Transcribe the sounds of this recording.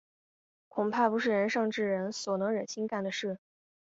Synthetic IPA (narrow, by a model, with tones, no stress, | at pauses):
kʰʊ˨˩ŋpʰa˥˩pu˧˥ʂɻ̩˥˩ɻə˧˥nʂɑ˥˧ŋʈ͡ʂɻ̩˥˩ɻə˧˥nswɔ˨˩nɤ˧˥ŋɻə˨˩nɕʰi˥ŋka˥˩nd̪ə˩ʂɻ̩˥˩